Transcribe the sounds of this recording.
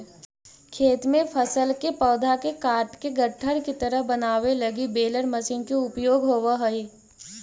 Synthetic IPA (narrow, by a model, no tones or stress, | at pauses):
kʰeːt̪mẽpʰəsəlkepɔːd̪ʱakekaːɾʈkeɡɐʈʰːəɽ̃kit̪ɐɾəɦbɐnaːʋelɐɡibeːləɾmɐsiːnkeʊpjoːɡɦoːʋaɦɐi